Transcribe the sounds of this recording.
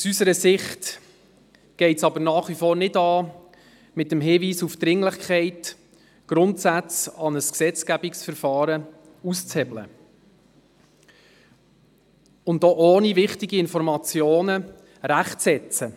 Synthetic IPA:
usysəɾəsɪχt | ɡ̥ɛɪtsɑbənɑːχʋifoːɾnɪdɑː | mɪtəmɦɪːʋiːsufd̪̥ɾɪŋlɪχkʰχɛɪt | ɡ̥ɾʊntsæt͡sɑnəsksɛt͡skæbɪksfəɾfɑːɾə | ust͡sɛblə̰ | ʊndoʔoːnivɪχtɪɡiɪnfɔɾmɑt͡sjoːnə | ɾæχt͡sɛt͡sə

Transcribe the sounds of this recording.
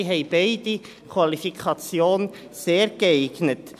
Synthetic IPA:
ɦɛɪb̥eɪd̥i | kʰwɑlifikʰɑt͡sjoːn | seːɾɡ̥əaɪɡ̥nət

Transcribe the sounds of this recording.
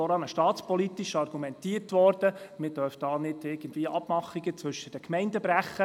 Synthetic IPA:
ɔɾɑnəʃtɑːt̪t͡spɔlitiʃɑrɡumɛntiːəɾtʋɔɾd̥əmɪd̥øɾfd̥ɑːnɪdɪɡ̥ən̩dviːəʔɑb̥mɑχiɡət͡svɵʃəd̥əkmɛɪndəbɾæχːə

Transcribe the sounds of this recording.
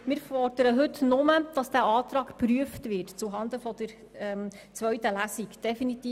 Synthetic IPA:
mɪːɾfɔrd̥əɾəɦɵtnʊməd̥ɑsd̥æːʔɑːt̪ɾɑːkpɾyəftʋɪtt͡suɦɑnd̪əfɔd̪əɾ | ɛm | t͡sʋœɥtəlæsikd̥ɛfinit̪iː

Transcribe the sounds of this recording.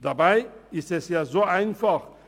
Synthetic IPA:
d̥abaɪɪstɛsjaːzoːʔaɪnfaχ

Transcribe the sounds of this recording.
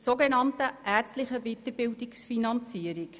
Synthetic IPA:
soɡɛnɑntəʔæːt͡stlɪχəvit̪əɾbɪldɪksfinɑnt͡siəɾɪk

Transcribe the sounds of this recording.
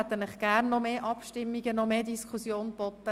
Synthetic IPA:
æt̪ːənəχɡ̥æːɾnːɔmeːʔɑpʃtɪmːiɡənɔmeːd̪iskʰusjoːnb̥ɔtːə

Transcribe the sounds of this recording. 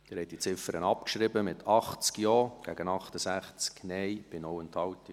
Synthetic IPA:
d̪̥ɪɾhɛt̚dit͡sɪfəɾənɑpkʃɾɪbəmɪt̪ʰɑχt͡skjɔːɡ̥æɡənɑχtəsæχt͡sknɛɪb̥ɪnoʊɛnthɑwtə

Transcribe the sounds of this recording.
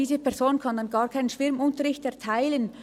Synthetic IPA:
iːzəpɛɐzoːnkʰɑndɑnɡɑːɐkʰaɪnənʃʋ̥ɪɾmʊntəɾɪçtɛɐtʰaɪlən

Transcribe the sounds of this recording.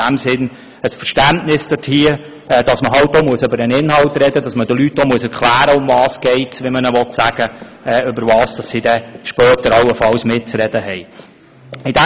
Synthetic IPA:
æmsɪn | əsfəɾʃtæntnɪsd̥əthiə | ɛd̥ɑsməɦɑwt̚domuəsɵbəɾənɪnhɑwtɾɛdəd̥ɑsmədəlyt̚d̥omuəsɛɾkʰlæːɾəʊmvɑːsɡ̥ɛɪtsʋimənəʋɔtsæɡ̥əɛːʏbəɾʋɑːsd̥ɑsːidɛʃpœːtəɾɑwəfɑlsmɪt̚t͡sɾɛd̥əɦɛj | ɪdæ

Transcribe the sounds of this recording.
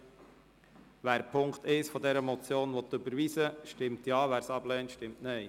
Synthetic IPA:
ʋæːɾpʰʊŋkt̪ɪsfɔd̪ɛɾəmɔt͡sjoːnʋɔt̪ːɵbəɾʋisəʃtɪmtjɑːʋæːɾsɑblɛːntʃtɪmtnɛj

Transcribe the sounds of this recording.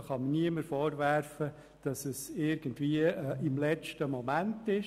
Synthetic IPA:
χɑməniəməɾfɔːɾværfə | d̥ɑsəsɪɾɡ̥əntviəɪmlɛt͡ʃtəmɔmæntɪʃ

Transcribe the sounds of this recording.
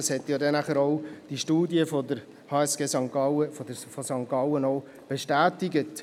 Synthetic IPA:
shɛtjɑːdɛnæχəɾoʊd̥iʃtuːdiəfɔdəɾ | hɑːɛsɡ̥eːsɑŋkɑəfɔdəfɔsɑŋkɑwənoʊ | b̥eʃtæːtɪɡət

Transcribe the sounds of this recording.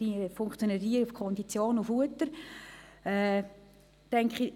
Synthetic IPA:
ifʊŋkt͡sjoniɾiːəɾufkʰɔndit͡sjoːnufuətəɾ | ɛ | tɛŋkχi

